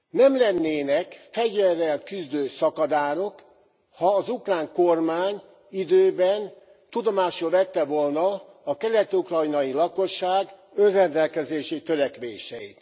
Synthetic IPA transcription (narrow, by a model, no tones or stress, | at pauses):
nɛmlɛnːeːnɛkfɛɟvɛrːɛlkyzd̪øːsɒkɒd̪aːɾo̞k | hɒːzukraːŋko̞rmaːɲ | id̪øːbɛn | t̪ud̪o̞maːʃolvɛt̪ːɛʋolnɒː | kɛlɛt̪ukrɒjnɒjilɒko̞ʃːaːɡønrɛnd̪ɛlkɛzeːʃit̪øɾɛkʋeːʃɛḭt̪